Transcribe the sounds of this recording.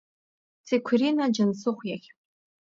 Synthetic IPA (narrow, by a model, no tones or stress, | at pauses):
t͡sʰekʷʰrinad͡ʒansɨχʷjaχʲ